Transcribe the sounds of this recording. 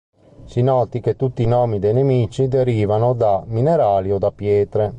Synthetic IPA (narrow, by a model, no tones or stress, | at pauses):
sinɔːt̪ik̟et̪ːut̪ːinɔːmid̪ejnemiːt͡ʃid̪eɾiːvanod̪amineɾaːliɔd̪apːjɛːt̪ɾe